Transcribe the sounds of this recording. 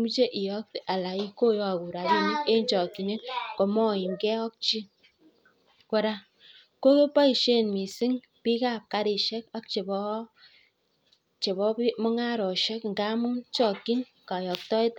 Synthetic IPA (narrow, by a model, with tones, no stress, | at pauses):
mu˦t͡ʃe˦ʔi˨jɔ˦k̚ta˨la˨i˦ko˦jɔ˨ku˨ɾa˨bi˦ni˦e˦nt͡ʃɔ˨kːi˨ne˦nkɔ˨mɔ˦˨i˨ŋ˨kɛ˦ɔ˦k̚t͡ʃi˦ | kɔ˦ɾa˦ | ko˦ke˦pa˦i˨ʃe˦˨nmi˨si˦ŋ | pi˦ka˦˨p̚ka˦ɾi˨ʃɛ˦ka˦k̚t͡ʃe˨bɔ˦ | t͡ʃe˨bɔ˦pi˦mɔ˦ŋa˦ɾɔ˨ʃɛ˦kŋ̩˨ɡa˦mu˦t͡ʃɔ˦˨kːi˦n | ka˨jɔ˨k̚tɔ˦i˦t